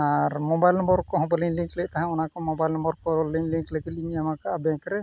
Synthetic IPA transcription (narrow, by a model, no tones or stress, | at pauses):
aɾmɔbajlnɔmbɔɾkɔɦɔ̃bɔliŋliŋklɛc̚ˀt̪aɦãunakɔmɔbajlnɔmbɔɾkɔɔliŋliŋkləɡit̪̚liŋamakaʔabɛŋkɾɛ